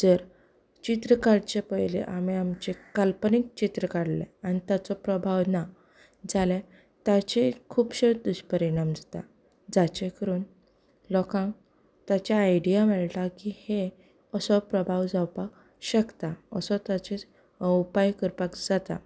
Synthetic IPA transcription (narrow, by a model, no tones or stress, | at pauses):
d͡zəɾ | t͡ɕit̪ɾəkaɽt͡ɕepəjlḛʔamiamt͡ɕekalpənik̚t͡ɕit̪ɾəkaɽlḛanit̪jat͡sɔpɾəbʱawna | d͡zale | t̪at͡ɕekʰuːpɕed̪uɕpəɾiɽ̃amd͡zat̪a̰ | d͡zat͡ɕekəɾuːn | lɔkãŋk | t̪at͡ɕaːjɖijamɛɭʈ̪akihe | əsɔpɾəbʱaʋd͡zawpak | ɕəkt̪aəsɔt̪at͡ɕe | upajkəɾpakd͡zat̪a̰